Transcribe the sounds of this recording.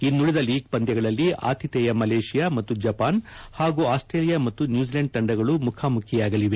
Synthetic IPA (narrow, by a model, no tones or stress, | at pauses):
inːuɭid̪ɐliːɡ̚pɐnd̪jɐɡɐɭɐlːia̰ːt̪ʰit̪ɛjɐmɐleːʂijamɐt̪ːud͡ʒɐpaːnhaːɡuaːsʈɾeːlijamɐt̪ːunjuːd͡ʒilɐɳɖ̚t̪ɐɳɖɐɡɐɭumukʰaːmukʰjɛjaːɡɐliʋe̞